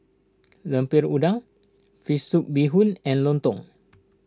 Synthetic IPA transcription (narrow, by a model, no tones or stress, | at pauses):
ləmpiɾudaŋ | fisuk̚biɦunɛ̃nlɔnt̪ɔ̰ŋ